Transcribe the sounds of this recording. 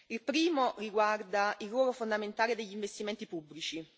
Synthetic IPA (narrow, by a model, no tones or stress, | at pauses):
ilpɾiːmoriɡward̪airːɔːlofond̪ament̪aːled̪eʎːiɱvest̪iment̪ipubːlit͡ʃi